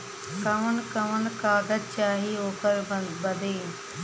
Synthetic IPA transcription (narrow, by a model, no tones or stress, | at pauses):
kɐʋənkəʋənkaːɡət̚t͡ʃaːɦioːkəɾbɐd̪ʱeː